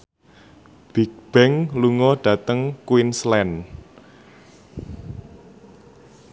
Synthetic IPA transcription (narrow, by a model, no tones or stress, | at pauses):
b̥ik̚b̥ɛŋluŋɔɖ̥ä̤t̪əŋkwinslɛn